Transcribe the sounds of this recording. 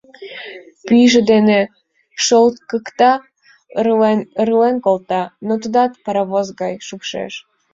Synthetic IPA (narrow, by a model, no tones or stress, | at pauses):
pyjʒəd̪ene | ʃolt̪kəkt̪ɑ | rɨlenkolt̪ɑnot̪ud̪ɑt̪pɑɾɑβozɣɑjʃupʃḛʃ